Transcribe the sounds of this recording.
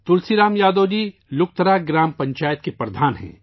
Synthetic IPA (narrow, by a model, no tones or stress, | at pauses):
t̪ʊlsiɾaːmjaːd̪oːd͡ʒiːlʊk̚t̪əɾaːɡɾaːmpɐ̃ɲt͡ʃaːjət̪kepɾɐd̪ʱaːnɦɛ̰̃ː